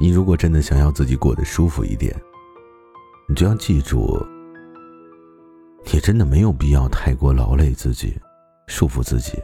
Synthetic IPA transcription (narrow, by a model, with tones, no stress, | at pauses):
ni˨˩ɻu˧˥kwɔ˨˩ʈ͡ʂə˥nd̪ə˨˩ɕjɑ˨˩ŋjɑ˥˧ʊt͡sɹ̩˥˩t͡ɕi˨˩kwɔ̰˥˩d̪ə˩ʂu˥fṵ˧ḭ˥˩t̪jɛ̰˨˩˦n | ni˨˩t͡ɕjo˧˩jɑ˥˧ʊt͡ɕi˥˧ʈ͡ʂṵ˥˩˨ | ɛ˨˩ʈ͡ʂə˥nd̪ə˨me˧˥ɪjo˨˩ʊpi˥˧jɑ˥˧ʊt̪ʰa˥˩ɪkwɔ˥˩lɑ˧˥ʊle˥˧ɪt͡sɹ̩˥˩t͡ɕḭ˨˩˦ | ʂu˥˧fu˧t͡sɹ̩˥˩t͡ɕḭ˨˩˦